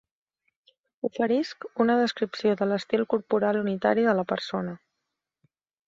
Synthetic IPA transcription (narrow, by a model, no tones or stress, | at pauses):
ufəɾiskunəðəskɾipsioðələst̪ilˠkuɾpuɾalunit̪a̰ɾiðələpəɾsonə